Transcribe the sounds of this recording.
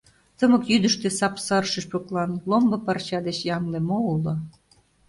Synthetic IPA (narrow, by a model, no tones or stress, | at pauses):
t̪əmɤ̆kjyd̪ə̆ʃt̪ĕsɑpsɑrʃə̆ɕpoklɑnlombɤ̆pɑrɕɑd̪et͡ɕjɑŋlemoulŏ